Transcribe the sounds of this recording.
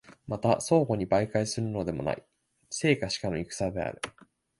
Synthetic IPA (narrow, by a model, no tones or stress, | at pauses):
mat̪aso̞ːɡo̞ɲ̟ibaikaisɨɾɯ̟no̞d̪e̞mo̞̰na̰ḭ | se̞ːkaɕi̥kanoikɯ̟̥sad̪e̞a̰ɾɯ̟